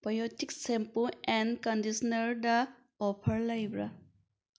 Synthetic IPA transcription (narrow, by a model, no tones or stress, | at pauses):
pɾojotik̚sempuenkɐndisɔnɐɾdɐ | opʰɐɾlɐjbɾa